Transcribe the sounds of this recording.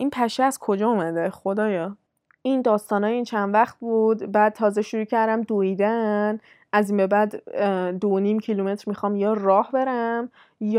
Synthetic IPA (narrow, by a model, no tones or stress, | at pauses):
ʔinpʰæʃeæz̥kʰo̞d͡ʒɒːomæd̪eχo̞d̪ɒːjɒː | ʔind̪ɒːst̪ɒːnɒːjint͡ʃʰænd̪væχt̪̚buːd̪bæd̪̚t̪ʰɒːzeʃuɾuːcʰæɾd̪æmd̪oid̪æn | ʔæzimbe̞bæd̪ːoniːmcʰilume̞t̪ɾmixɒːmjɒːrɒːhbe̞ɾæm | j